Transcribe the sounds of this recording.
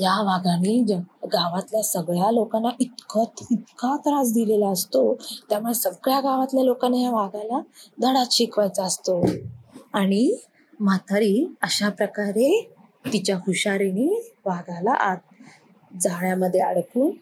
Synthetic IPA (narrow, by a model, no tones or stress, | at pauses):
jaʋaɡanid͡ʑaɡaʋat̪ljasəɡɭjalokanːaʔit̪kɔt̪it̪kat̪ɾad͡zd̪ilelaəst̪ot̪jamuɭesəɡɭjaɡaʋat̪ljalokanːajaʋaɡalad̪ʱəɽaɕikʋad͡zast̪o | aɽ̃i | mat̪əɾiəɕapɾəkaɾe | t̪it͡ɕjakʰuɕaɾiniʋaɡala̰ʔat̪̚ | d͡zaɭjaməd̪ʱːjeəɽkuːn